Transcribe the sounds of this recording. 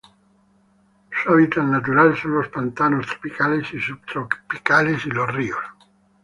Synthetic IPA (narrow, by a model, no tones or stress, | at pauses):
suaβit̪anat̪uɾalsonlospant̪anost̪ɾo̥pikalesisubt̪ɾopikalesilorios